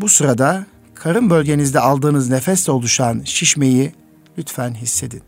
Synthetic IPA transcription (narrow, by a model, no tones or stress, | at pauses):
busuɾad̪a | kʰaɾɯnbølʲɟe̞nizd̪ɛalˠd̪ɯːnɯznefɛst̪ʲɛo̞lˠuʃanʃiʃme̞ji | lʲyt̪fænɦisːe̞d̪in